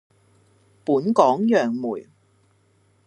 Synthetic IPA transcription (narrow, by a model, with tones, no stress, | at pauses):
puː˨˥nkɔː˨˥ŋjœː˨˩ŋmuː˨˩j